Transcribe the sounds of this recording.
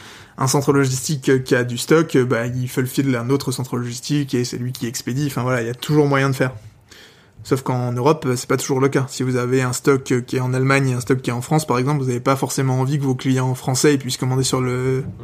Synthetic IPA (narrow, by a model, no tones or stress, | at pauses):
ɛ̰̃sɑ̃t̪χəlɔʒist̪ikøkʲːiad̪yst̪ɔkøbailfɛləfilãnot̪χəsɑ̃t̪χəlɔʒist̪ikesɛ̰lɥikʲʰiɛksped̪iɑ̃fɛ̃vwalailat̪ʰuʒuʁmwajɛ̃d̪əfɛːʁ | sofkɑ̃nøʁɔpøsɛ̥pat̪u̥ʒuʁləkasivuzaveɛ̃st̪ɔkkʲːiɛɑ̃nalmaɲeɛ̃st̪ɔkʲːiɛɑ̃fχɑ̃spaʁɛɡzɑ̃p̬lvuzavepafɔʁsemɑ̃ːvikəvoklijɑ̃fχɑ̃sɛipɥiskɔmɑ̃d̪esyʁlə